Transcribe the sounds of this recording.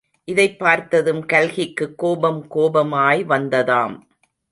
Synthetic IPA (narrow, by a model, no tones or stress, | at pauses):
ʔɪðɐɪpːaːɾt̪ɐðɯmkɐlɣɪkːɯkːoːbɐmkoːbɐmaːjʋɐnd̪ɐðaːm